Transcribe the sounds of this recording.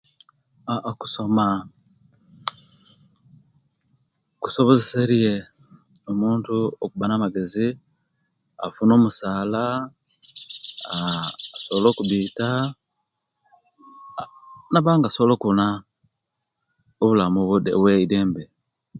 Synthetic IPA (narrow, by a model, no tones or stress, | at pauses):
ku̥so̞ma | ku̥so̞βozeseɾije | omuːntuokuβanamaɡe̞zi | afuno̞ːmusaːla | soβlo̞ːkuβiːta | naβaːŋɡasoβlo̞ːkuβuna | oβulamuβudeβweideːmbe